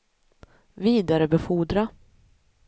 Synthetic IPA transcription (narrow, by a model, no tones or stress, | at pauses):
viːd̪aɾəbɛfuːɖ̪ɾa